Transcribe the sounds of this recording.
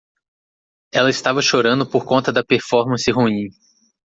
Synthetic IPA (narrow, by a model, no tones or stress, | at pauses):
ɛlɐɪst̪avɐʃoɾɐ̃nd̪ʊpoɾkõnt̪ɐd̪ɐpeɾfɔɾmɐ̃sɪɦuĩ